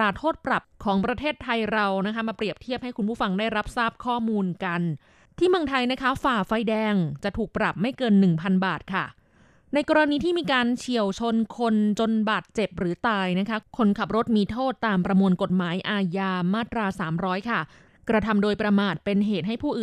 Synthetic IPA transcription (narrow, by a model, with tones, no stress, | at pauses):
aː˧˩t̪ʰoː˥˩t̪̚pɾa˨˩p̚kʰɔː˩˦ŋpɾa˧t̪ʰeː˥˩t̪ʰːa˧jɾa˧wna˦˥kʰa˦˥maː˧pɾi˨˩əp̚t̪ʰi˥˩əp̚ha˥˩jku˧npʰuː˥˩fa˧ŋdaː˥˩jɾa˦˥p̚saː˥˩p̚kʰɔː˥˩muː˧nka˧n | t̪ʰiː˥˩mɯ˧əŋt̪ʰa˧jna˦˥kʰa˦˥faː˨˩fa˧jdɛː˧ŋt͡ɕa˨˩t̪ʰuː˨˩k̚pɾa˨˩p̚ma˥˩jkɤː˧nːɯ˨˩ŋpʰa˧nbaː˨˩t̪̚kʰa˥˩ | na˧jkɔː˧ɾa˧niː˧t̪ʰiː˥˩miː˧kaː˧nt͡ɕʰi˨˩əwt͡ɕʰo˧nkʰo˧nt͡ɕo˧nbaː˨˩t̪̚t͡ɕe˨˩p̚ɾɯː˩˦t̪aː˧jna˦˥kʰa˦˥kʰo˧nkʰa˨˩p̚ɾo˦˥t̪̚miː˧t̪ʰoː˥˩t̪ːaː˧mpɾa˧mu˧ənko˨˩t̪̚maː˩˦jʔaː˧jaː˧maː˥˩t̪ɾaː˧saː˩˦mɾɔː˦˥jkʰa˥˩ | kɾa˧t̪ʰa˧mdoː˧jpɾa˧maː˨˩t̪̚pe˧nɦeː˨˩t̪̚ɦa˥˩jpʰuː˥˩ʔː